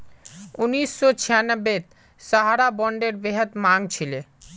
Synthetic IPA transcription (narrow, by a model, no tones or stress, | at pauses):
unisːot͡ɕʰijanəbet̪ | saɦaɾabɔɳɖeɾbeɦət̪maŋt͡ɕʰile